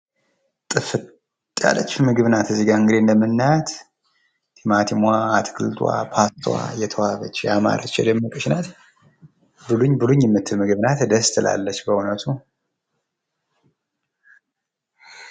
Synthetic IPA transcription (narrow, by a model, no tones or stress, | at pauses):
t̪ʼɨfɨt̪ʼː | a̰lət͡ʃːmɨɡɨβɨnat̪ɨzːiɡaɨŋɡɨd̪end̪əmɨnːat̪ | t̪ʰimat̪ʰimwaat̪ʰkʰɨlt̪ʰwa̰pʰast̪ʰwa̰jɛt̪ʰəwaβət͡ʃːjama̰ɾʔət͡ʃːjɛ̰d̪əmːəkʼəʃnat̪ | bɨluɲːbɨluɲːjɛmːɨt̪ʰːɨlmɨɡɨβnat̪d̪əst̪ʰɨlʔa̰lːət͡ʃːbəunət̪ʰu